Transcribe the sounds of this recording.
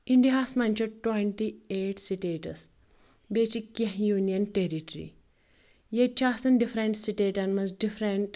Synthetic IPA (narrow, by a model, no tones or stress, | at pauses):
iɳɖiaːsmɐnʲt͡ʃuʈweɳʈieːʈsiʈeːʈɐ̰s | bet͡ʃikɐɦjuːnijɐnʈeːɾiʈɾḭ | jet͡ʃaːsɐnɖifɾeɳʈsiʈeːʈɐnmɐzɖifʰɾeɳʈ